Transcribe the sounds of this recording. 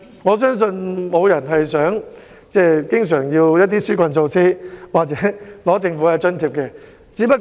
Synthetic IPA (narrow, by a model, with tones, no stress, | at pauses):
ŋɔː˨˧s̬œː˥ŋs̬ɵ˧nmo˨˧wjɐ˨˩nɦɐ˨jsœː˨˥ŋ | t͡sɛː˥˩kɪ˥ŋs̬œː˨˩ŋjiː˧wjɐ˥t̚t̪iː˥syː˥kʷɐ˧nso˧wsʰiː˥waː˨k̚t͡sɛː˨˥lɔː˨˥t͡sɪ˧ŋfuː˨˥hɐ˨˧t͡ʃɐ˥nt̪ʰiː˨˧p̚kɛː˧ | t͡siː˨˥pɐ˥t̚